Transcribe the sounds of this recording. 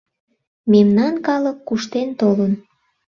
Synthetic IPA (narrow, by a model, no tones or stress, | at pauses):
memnɑnkɑləkːuʃt̪ent̪olən